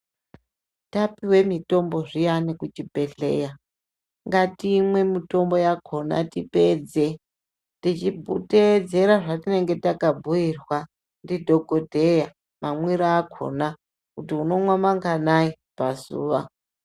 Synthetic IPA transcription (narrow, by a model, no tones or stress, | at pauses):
tapiwe̞mito̞mbo̞ʐijanekut͡ʃipe̞ɬe̞̰ja | ŋɡatimwe̞mito̞mbo̞jakʰo̞na̰tiped͡ze | tit͡ʃiuted͡ze̞ɾaʐatine̞ŋɡe̞takabʱujirwa | ndidʱo̞ɡodʱe̞ja | mamwiɾaːkʰo̞̰na | kutiuno̞mwamaŋɡanai | pazṵːʋa̰